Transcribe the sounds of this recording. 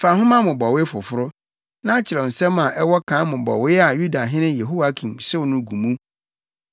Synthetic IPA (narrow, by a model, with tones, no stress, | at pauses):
fa˨hʊ̃˦mã˦mʊ̃˨bɔ˨wɪ˦fʊ˨fʊ˦ɾʊ˦ | nã˦a˦t͡ɕʰɪ˨ɾɛ˨n̩˨sɛ̃˦mã˨ʔɛ˦wɔ˦kʰã˨˦mʊ̃˨bɔ̰˨wɪ˦a˨ju˦da˨ɦɪ̃˦nɪ̃˦je˨ɦu˦wa˦kʰĩ˨msɪ˦wnʊ̃˦ɡũ˨mũ˦